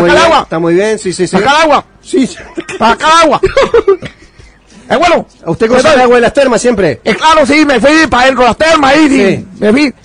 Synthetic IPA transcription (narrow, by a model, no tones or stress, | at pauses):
kualaɣwat̪amujβjensisisikalaɣwa | sipaakalaɣwa | eβweno | ust̪ekosaaɣwaðelast̪eɾmasjempɾeeklaɾosimefwipaðent̪ɾoelast̪eɾmaisisimefwi